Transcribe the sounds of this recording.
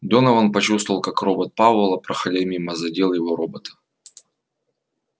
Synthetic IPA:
d̪onɐvanpɐt͡ɕust̪vəlˠkakro̞bət̪̚pavəlˠɐpɾɐxɐlʲemʲimɐzɐdʲelˠjɪvoɾobət̪ə̥

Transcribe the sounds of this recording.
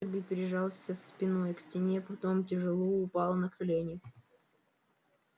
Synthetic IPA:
bʲɪpʲɪɾʲɪʐɑlˠsʲəspʲɪnojksʲtʲɪnʲepɐt̪o̞mtʲɪʐɨlˠuʊpɑlˠnəkʰɐlʲenʲɪ

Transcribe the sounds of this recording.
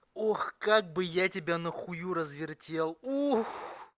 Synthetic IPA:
oxkaɡ̚bɨjatʲɪbʲanəxʊjuɾəzvʲɪrtʲe̞lˠux

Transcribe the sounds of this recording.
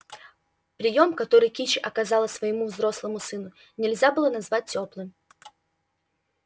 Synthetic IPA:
pɾʲɪjo̞mkɐt̪o̞ɾɨjkʲit͡ɕɪʔɐkɐzɑlˠəsʲvəjɪmuvzɾo̞slˠəmʊsɨnʊ | nʲɪlʲzʲabɨlˠənɐzvat̚ʲtʲːoplˠɨm

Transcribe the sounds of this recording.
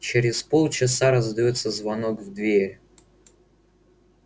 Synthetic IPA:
t͡ɕeɾʲɪspolˠt͡ɕɪsaɾəzd̪ɐjot̪səzvɐnokvd̪vʲeɾʲ

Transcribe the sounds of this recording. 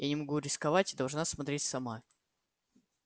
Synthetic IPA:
janʲɪmɐɡuɾʲɪskɐvatʲɪd̪ɐlˠʐnasmɐt̪ɾʲetʲsɐma

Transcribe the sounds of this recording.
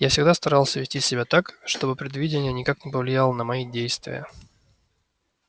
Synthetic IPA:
jafsʲɪɡd̪ast̪ɐɾalˠsʲəvʲɪsʲtʲisʲɪbʲat̪akʂt̪o̞bɨpɾʲɪd̪vʲidʲɪnʲɪjənʲɪkaknʲɪpəvlʲɪjalˠənəmɐidʲejst̪vʲɪ̰jə̰

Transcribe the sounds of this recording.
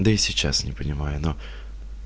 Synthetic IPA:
d̪əɪsʲɪt͡ɕːasnʲɪpənʲɪmajʊno

